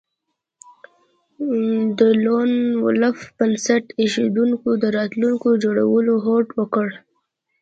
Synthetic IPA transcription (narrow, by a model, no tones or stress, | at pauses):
d̪əlonwʊ̰lafb̥ənsaʈeʃed̪uŋkod̪əɾɑt̪luŋkod͡ʒoɽa̰wəloɦoʈwəkəɽ